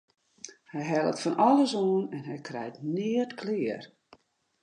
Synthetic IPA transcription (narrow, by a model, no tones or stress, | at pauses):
hɛjɦɛlˠə̰tfɔnɔlˠəsoənɛnɦɛjkʰrɛ̰jtnɪətkʰlɪːər